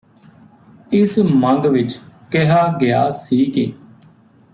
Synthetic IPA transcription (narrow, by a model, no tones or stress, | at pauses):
ɪsmə̃ŋɡʋɪt͡ʃkeɦaːɡɪaːsiːkeː